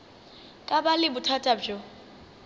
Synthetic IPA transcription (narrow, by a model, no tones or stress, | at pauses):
kʼabalɪbʊtʰatʼabd͡ʒo